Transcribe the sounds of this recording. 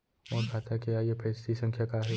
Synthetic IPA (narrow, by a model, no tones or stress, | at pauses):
mõːkʰat̪akeajepʰɛːst̪isɐ̃ŋkʰjakaɦe